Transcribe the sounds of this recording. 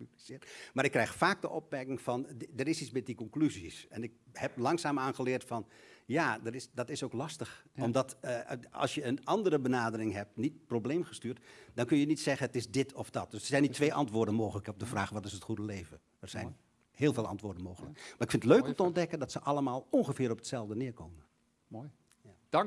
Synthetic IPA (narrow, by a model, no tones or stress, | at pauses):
pyblisɪːtmaɾɪkːrɛjxfaːk̚dəʔɔp̚mɛrkɪŋfɑndərɪsismɪt̚dikɔŋklyzisɛnɪk̚hɛp̚lɑŋsaːmaːnxəlɪərtfɑnjaːdərɪsdɑtɪsoːklɑstəxɔmdɑtəɑ̰lˠsjəənɑndərəbənaːdərɪŋɦɛp̚tnit̚probleːmχəstyːrtdɑnkønjənitsɛɣənətɪsdɪtʰɔfd̥ɑt̚d̥øsərsɛjnitʰːʋeːʔɑ̰ntʋʊːrdənmoːxələkəɔb̚dəfraːxəʋɔtɪsətxudəleːvə | ərz̥ɛjn | heːlˠveːlˠɑ̰ntʋʊːdənmoːxələ̰kmaːɪkfɪndətløːkɔmtəɔndɛkəndɑtsəʔɑlˠəmaːlˠɔnxəfɪːɾɔpətsɛlˠvdənɪːɹkoːmən